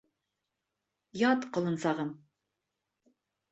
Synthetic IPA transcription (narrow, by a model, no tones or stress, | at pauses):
jɑt̪qʰə̆lˠɨnsɑʁɤm